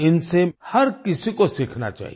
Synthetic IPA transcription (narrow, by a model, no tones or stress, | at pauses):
ɪnsehɐɾkɪsikosɪkʰna̰t͡ʃa̰ːɦi